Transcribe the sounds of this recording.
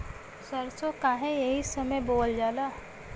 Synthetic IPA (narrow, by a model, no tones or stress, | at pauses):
səɾsokaːɦẽjɐɦisəməjboːld͡ʒaːlaː